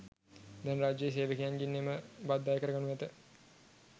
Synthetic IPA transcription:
d̪ɛnraːd͡ʒːəjes̬eːʋəkijanɡinːeməbad̪ːajəkəɾəɡanuʋɛt̪ə

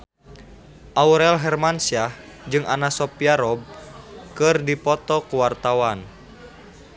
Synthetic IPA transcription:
ʔauɾɛlɦɛrmansiad͡ʒɨŋanasɔpiaɾɔb̚kɨrdipɔt̪ɔkuwart̪awan

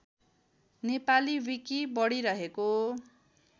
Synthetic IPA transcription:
nepaliwikibʌɽiɾʌɦeko

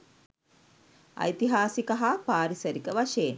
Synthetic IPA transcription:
a̰jt̪iɦaːsikɐɦapaːɾisɐɾikəʋaʂeːn

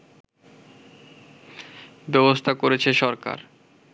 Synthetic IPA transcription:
bɛbost̪ʰakoɾet͡ɕʰeʃɔɾka̰ɾ

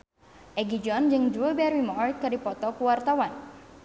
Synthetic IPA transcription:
ʔɛɡid͡ʒɔnd͡ʒɨŋdɾubɛɾimɔrt̪̚kɨrdipɔt̪ɔkuwart̪awan

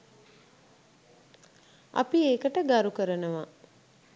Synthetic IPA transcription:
a̰pieːkəʈəɡaɾukəɾənəʋa

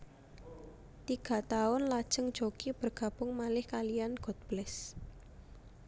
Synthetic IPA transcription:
t̪iɡ̥a̤t̪aʊnlad̥ʒ̥əŋ̥d͡ʒokib̥ə̤rɡ̥a̤b̥ʊŋmalɪhkalijanɡ̥ɔ̤t̪̚b̥lɛs

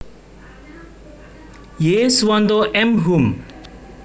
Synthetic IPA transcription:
jeswʌnd̪oʔemɦum

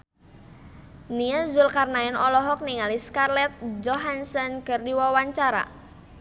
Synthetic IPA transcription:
niazʊlkarnaɪnɔlɔɦɔk̚niŋaliskarlɛt̪̚d͡ʒɔɦansənkərdiwawaɲt͡ʃaɾa̰

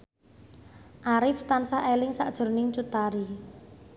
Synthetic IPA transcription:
ʔaɾɪft̪ansaʔelɪŋsa̰ʔd̥ʒ̥ʊ̤rnɪŋt͡ʃut̪aɾi

